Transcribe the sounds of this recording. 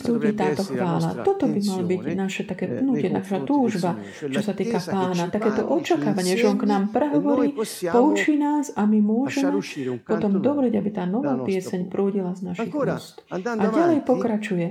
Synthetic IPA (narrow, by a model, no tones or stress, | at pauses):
pɾuːɟiːt̪aːt̪ɔxʋaːla̰t̪ɔt̪ɔbimalbiɟnaʃɛt̪akɛːpnucɪɛna̰ʃat̪uːʒba | t͡ʃɔsat̪iːkapaːnat̪akɛːt̪ɔʔɔt͡ʃakaːʋaɲɪɛʒɛɔnknaːmpɾɛɦɔʋɔɾiːpɔut͡ʃiːnaːsamimʊɔʒɛmɛpɔt̪ɔmd̪ɔbɾɛɟabit̪aːnɔʋaːpɪɛsɛɲpɾuːɟilaznaʃixpust̪ʔaɟalɛjpɔkɾat͡ʃujɛ